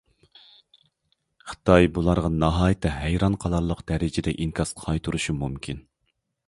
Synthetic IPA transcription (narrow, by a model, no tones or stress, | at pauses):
χə̥t̪ʰɑjbulˠɑɾʁɑnɑɦɑːjt̪ʰɨɦɛjɾɑnqʰɑlˠɑɾlˠəqd̪̥ɛɾɪd͡ʒɪd̪ɛ̰ʔiŋkʰɑsqʰːɑjt̪ʰuɾuʃumumkʲʰin